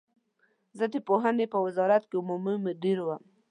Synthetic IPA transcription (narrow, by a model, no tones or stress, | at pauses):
zəd̪əpoɦanepəwɪzɑɾat̪keumumimɪɖiɾwəm